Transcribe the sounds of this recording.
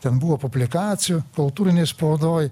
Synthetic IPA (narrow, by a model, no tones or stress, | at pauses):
t̪ʲɛnbuʋopʊbʲlʲɪkɑːt̪sʲɪjukʊlˠt̪uːɾʲɪnʲeɪspod̪oːj